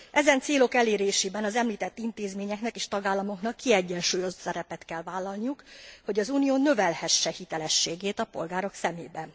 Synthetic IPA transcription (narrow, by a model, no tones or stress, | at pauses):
ʔɛzɛnt̪seːlo̞kɛleːɾeːʃeːbɛnɒzɛmliːt̪ɛt̪ːint̪eːzmeːɲɛknɛkeːʃt̪ɒɡaːlːɒmo̞knɒkːiɛɟːɛnʃuːjo̞zt̪sɛɾɛpɛt̪kɛlvaːlːɒlnijukho̞ɟɒzuːnijoːnøvɛlhɛʃːɛhit̪ɛlɛʃːeːɡeːt̪ɒpo̞̰lɡaːɾo̞ksɛmeːbɛn